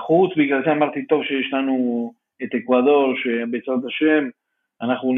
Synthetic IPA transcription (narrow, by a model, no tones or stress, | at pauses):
χut͡sbiɡlalzeamaʁt̪it̪o̞vʃejeʃlanu | et̪ekvad̪o̞ʁʃebet͡sat̪aʃem | anaχnun